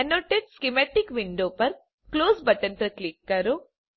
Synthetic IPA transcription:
ɐnoːʈːeɖskimeʈikʋiɳɖoːpɐɾ | kloːsbɐʈɐnpɐɾklikːɐɾu

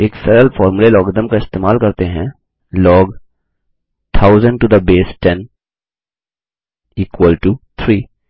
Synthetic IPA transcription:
eːksɛɾəlfɔːɾmulelɔːɡd̪əmkaɪst̪eːmaːlkɐɾt̪eɦɛ̃ | lɔːɡ | t̪ʰaːʊzə̃ɳɖʈud̪əbeːsʈɛ̃n | iːkwəlʈut̪ʰɾiː

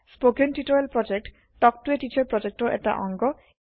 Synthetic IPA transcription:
spokenʈiʈɔjalpɹɔd͡ʒek̚ʈː | ɔktueʈit͡ʃʰɔɹpɹɔd͡ʒek̚ʈɔʔḛta̰ʔɔŋɡɔ

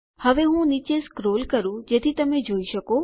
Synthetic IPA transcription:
həʋeɦũnit͡ʃeskɾolkəɾũd͡ʒet̪ʰit̪əmed͡ʒoiʃəko

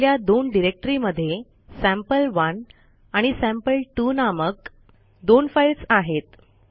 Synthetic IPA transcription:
ljad̪onɖiɾek̚ʈɾiməd̪ʱːje | sæ̃mpəlʋən | aɽ̃isæ̃mpəlʈuːnamək̚ | d̪onfajlsaɦet̪

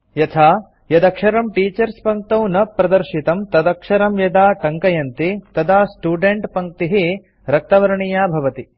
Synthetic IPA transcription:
jɐt̪ʰaː | jɐd̪ɐkʂɐɾɐmʈiːt͡ʃɐɾspɐŋk̚t̪ɐwnɐpɾɐd̪ɐɾʃit̪ɐmt̪ɐd̪ɐkʂɐɾɐmjɐd̪aːʈɐŋkɐjɐnt̪it̪ɐd̪aːsʈuːɖeɳʈpɐŋk̚t̪iɦi | ɾɐk̚t̪ɐʋɐɾɐɳijaːbʱɐʋɐt̪i

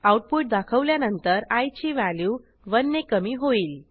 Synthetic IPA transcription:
awʈ̚puʈ̚d̪akʰəʋljanənt̪əɾajt͡ɕiːʋaljuː | ʋənːekəmiːɦoiːl

